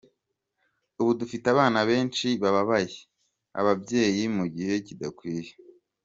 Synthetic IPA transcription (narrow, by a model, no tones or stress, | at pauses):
uβudufitaβaːnaβe̞ːnt͡ʃiβaβaβaje | a̰βabje̞ːjimuɟihe̞cidakwiːje̥